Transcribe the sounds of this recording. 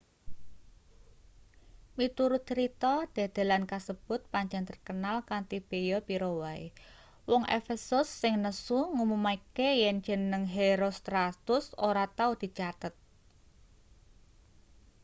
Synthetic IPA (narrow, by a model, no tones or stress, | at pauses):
mit̪uɾut͡ʃəɾit̪ɔd̪̥ä̤d̪̥a̤lankasəb̥ʊ̤t̪̚paɲd͡ʒant̪ərkənalkant̪ib̥ejɔpiɾowai | wɔŋʔḛfesʊsːɪŋnəsuŋumumakejɛn̥d͡ʒ̥ə̤nəŋɦeɾost̪ɾat̪ʊsoɾat̪aud̪̥i̤t͡ʃat̪ət̪̚